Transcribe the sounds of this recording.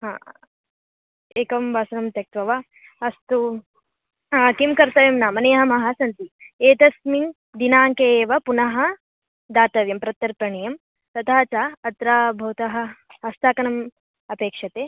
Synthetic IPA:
ɦã̰ː | eːkɐmbaːsɐnɐmt̪jɐk̚t̪ʋɐʋa | ɐst̪u | kimkɐɾt̪ɐʋjɐmnaːmɐnejɦɐmɐɦɐsɐnt̪ieːt̪ɐsmin | d̪inaːŋkeːʋɐpunɐɦɐ | d̪aːt̪ɐʋjɐmpɾɐt̪jɐɾpɾɐɳijɐm | t̪ɐt̪ʰaːt͡ʃaːɐt̪ɾaːbʱɐwt̪ɐɦɐ̆ɐst̪aːkɐnɐm | ɐpeːkʂɐt̪eː

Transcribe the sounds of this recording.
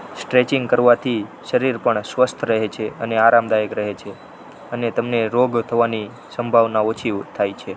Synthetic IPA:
sʈɾet͡ʃiŋɡkəɾʋat̪ʰiʃəɾiɾpəɳsʋəst̪ʰɾəɦet͡ʃʰeəneaɾamd̪ajəkɾəɦet͡ʃʰe | ənet̪əmneɾoɡt̪ʰəʋani | səmbʱaʋnaot͡ʃʰiʋt̪ʰajt͡ʃʰe

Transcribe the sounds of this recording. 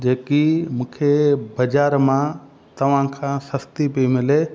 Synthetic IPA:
d͡ʑeːkimũːkʰebɐd͡ʑaːɾmã | t̪ɐʋ̤ãkʰãsɐst̪ipimɪle

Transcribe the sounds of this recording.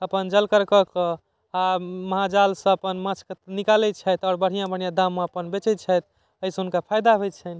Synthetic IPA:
əpənd͡ʒəlkəɾkəkə | aməɦad͡ʒalsə̃əpənmãt͡ʃʰkenikalɛt͡ʃʰɛjt̪ɔɾbəɽ̤ijãbəɽ̤jãd̪amːeəpənbet͡ʃɛt͡ʃʰɛjt̪̚ | əisə̃ɦunkapʰajd̪aɦoj̪t͡ʃʰɛni

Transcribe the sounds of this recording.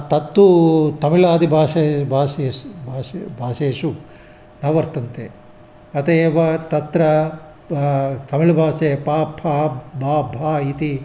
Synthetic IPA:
t̪ɐt̪ːut̪ɐmilaːd̪ibʱaːsebʱaːsebːsbʱaːseːʂu | nɐʋɐɾt̪ɐnt̪ḛ | ɐt̪eːʋɐt̪ɐt̪ɾɐ | t̪ɐmilbʱaːsepaːpʰabaːbʱaːit̪i

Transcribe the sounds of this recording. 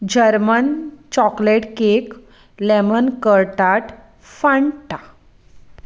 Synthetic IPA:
d͡ʑəɾmənt͡ɕɔkleʈkek | lemənkəɾʈaʈ | fãɳʈa

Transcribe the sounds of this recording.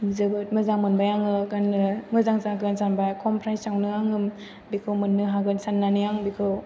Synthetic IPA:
zɯbɯt̚mɯzaŋmɯnbajaŋɯɡanɯmɯzaŋzaɡɯnsanbakʰɔmpʰɾajstawnɯaŋɯm | bikʰɯwmɯnːɯɦaɡɯnsanːanɯjaŋbikʰɯw

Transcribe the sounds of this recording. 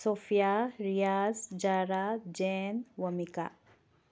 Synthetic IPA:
sofijaɾijazd͡ʒaɾad͡ʑenʋəmika̰

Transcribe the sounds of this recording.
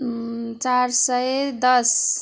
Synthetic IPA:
t͡saɾsʌd̪ʌs

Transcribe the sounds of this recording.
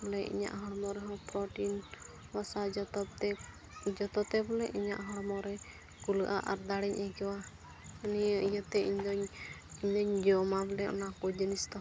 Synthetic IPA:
bɔlɛʔḭɲa̰ʔɦɔɽmɔɾɛɦɔ̃pɾɔʈin | basad͡ʒɔt̪ɔp̚t̪ɛ | d͡ʒɔt̪ɔt̪ɛbɔlɛʔiɲa̰ʔɦɔɽmɔɾɛ | kuləʔa̰ʔaɾd̪aɽɛɲakɛwa | ənijəʔijət̪ɛiɲdɔɲiɲdɔɲd͡ʒɔmablɛʔɔ̰nakɔd͡ʒənist̪ɔ

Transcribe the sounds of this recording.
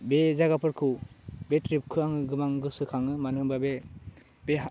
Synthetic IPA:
bezaɡapʰɯɾkʰɯbetɾip̚kʰɯaŋɯɡɯmaŋɡɯsɯkʰaŋɯmanɯbabe | be

